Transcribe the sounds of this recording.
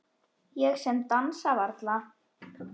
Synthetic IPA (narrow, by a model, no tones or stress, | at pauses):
jɛɣsɛmt̪ansavaɾt̪la